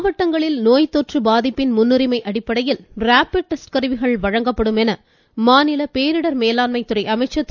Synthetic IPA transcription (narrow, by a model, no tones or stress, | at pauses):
ʋɐʈːɐŋɡɐɭɪlnoːjt̪oːʈrɯbaːðɪpːɪnmʊnːʊɾɪmɐɪʔɐɽɪpːɐɽɐjɪlɾaːpɪɖ̚ʈːɐsʈkɐɾɯʋɪɣɐɭʋɐɻɐŋɡɐpːɐɽɯmɛnɐ | maːnɪlɐpeːɾɯɽɐɾmeːlaːnmɐɪt̪ːɯrɐɪʔɐmɐɪt͡ʃːɐt̪ː